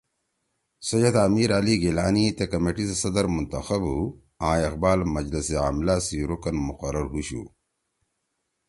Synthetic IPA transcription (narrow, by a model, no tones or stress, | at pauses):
sɐjɐd̪aːmiːɾaliɡelaːnit̪ekɐmeʈissɐd̪ɐɾmunt̪ɐxɐbu | ãːeqbaːlmɐd͡ʑlɐsea̰ːmlaːsiɾokɐnmuqɐɾɐɾɦuɕṵ